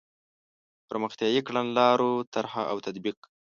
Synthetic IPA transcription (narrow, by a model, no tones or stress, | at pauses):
pəɾməxt̪jɑjikɽanlɑɾot̪aɾhaʔawt̪ad̪biq